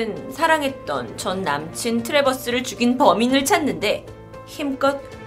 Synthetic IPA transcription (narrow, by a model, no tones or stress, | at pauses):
ɯnsʰaɾaŋɦe̞t̚t͈ʌ̰nt͡ɕʌnːa̰mt͡ɕʰintʰɯɾe̞bʌs͈ɯɾɯɭt͡ɕuɡinpʌminɯɭt͡ɕʰanːɯnde̞ | çimk͈ʌt̚